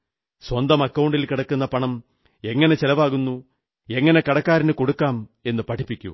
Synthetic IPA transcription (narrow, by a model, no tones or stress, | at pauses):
swɐnd̪ɐmɐkːɐwɳɖilkiɽɐkːunːɐpɐɳɐm | e̞ŋːɐne̞t͡ɕelɐʋaːɣunːu | e̞ŋːɐne̞kɐɽɐkːaːɾinɨko̞ɽukːaːme̞nːɨpɐʈʰipːikʲːṵ